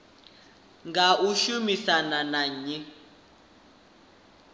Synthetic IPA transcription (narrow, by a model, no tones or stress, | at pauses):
ŋɡauʃumisananaɲi